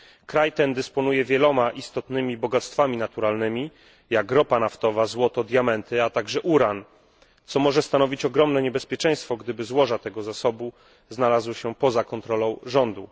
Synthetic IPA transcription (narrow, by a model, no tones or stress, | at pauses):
kɾajt̪ɛnd̪ɘspɔnujɛvʲjɛlɔmaʔist̪ɔt̪nɘmʲibɔɡat̪st̪famʲinat̪uɾalnɘmʲi | jaɡɾɔpanaft̪ɔvazwɔt̪ɔd̪ʲjamɛnt̪ɘat̪aɡʐɛʔuɾan | t̪sɔmɔʐɛst̪anɔvʲit͡ɕɔɡɾɔmnɛɲɛbɛspʲjɛt͡ʂɛ̃j̃st̪fɔɡd̪ɘbɘzwɔʐat̪ɛɡɔzasɔbu | znalazwɔɕɛpɔzakɔnt̪ɾɔlɔ̃w̃ʐɔnd̪u